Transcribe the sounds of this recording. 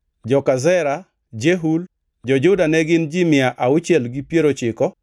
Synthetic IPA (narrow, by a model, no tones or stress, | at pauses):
d͡ʒɔkazɛɾa | d͡ʒeɦul | d͡ʒɔd͡ʒʊdanɛɡɪnd͡ʒɪmɪaʔaʊt͡ʃjɛlɡɪpjeɾot͡ʃɪkɔ